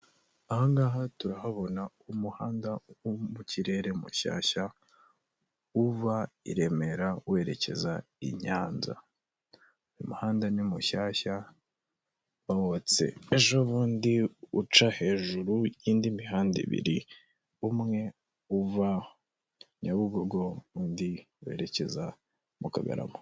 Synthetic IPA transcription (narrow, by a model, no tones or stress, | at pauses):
ahaŋɡaːɦatuɾahaβo̞na | umuhaːndawumuciɾe̞ɾe̞mṵʃa̰ːça | uvaḭɾe̞me̞ɾawe̞ːɾe̞ce̞̰za | ḭɲaːnza̰ | imuhaːndanimuʃaːça | βawot͡se̞̰eʒo̞βuːndiut͡ʃahe̞ːʒuɾujiːndimiɦaːndḭβḭɾi | umŋe̞ | uva | ɲaβuɡoɡo̞βuːndi | we̞̰ːɾe̞ce̞za | mukaɡa̰ɾa̰mo